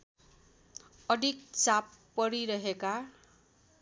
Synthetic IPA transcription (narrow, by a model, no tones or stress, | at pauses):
ʌd̪ʱik̚t͡sapːʌɾiɾʌɦeka